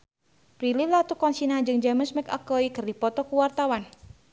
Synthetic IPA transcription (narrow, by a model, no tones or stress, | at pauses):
pɾilillat̪ukɔnsinad͡ʒɨŋd͡ʒaməsmɛka̰koikɨrdipɔt̪ɔkuwart̪awan